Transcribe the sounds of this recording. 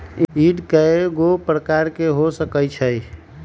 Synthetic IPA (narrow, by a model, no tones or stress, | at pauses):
iɖkəeɡopɾəkaɾkeɦosəkəjt͡ʃʰəj